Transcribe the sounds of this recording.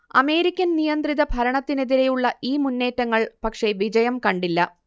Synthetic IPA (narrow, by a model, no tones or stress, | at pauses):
ɐme̞ːɾikʲːɐnnijɐnd̪riðɐbʱɐɾɐɳɐt̪ːine̞ðiɾejuɭːɐʔiːmunːe̞ːtːɐŋːɐɭpɐkʂe̞ʋid͡ʑɐjɐmkɐɳɖilːɐ